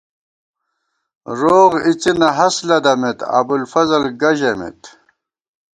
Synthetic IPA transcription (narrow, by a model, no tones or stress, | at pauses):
ɾoːʁit͡sinɐɦɐslɐd̪ɐmet̪ɐ̰bulfɐzɐlɡɐʑemḭt̪